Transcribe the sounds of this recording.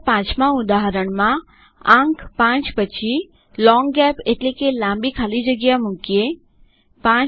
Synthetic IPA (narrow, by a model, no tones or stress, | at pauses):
pãt͡ʃmãʊd̪aɦəɾəɳ̃mã | ãŋkʰpãt͡ʃpət͡ʃʰi | lɔŋɡɛpeʈlekelãmbikʰalid͡ʒəɡjamʊ̃kije | pã